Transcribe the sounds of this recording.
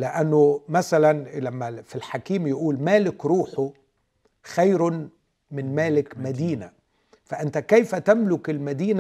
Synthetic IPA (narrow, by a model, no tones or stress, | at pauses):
lɪʔanːʊmæsælænlæmːæfilħakiːmjɪʔuːlmæːlɪkɾuːħʊ | xajɾʊ | mɪnmæːlɪkmæd̪iːna | fæʔɪnt̪ækæjfæt̪æmlʊkɪlmæd̪iːn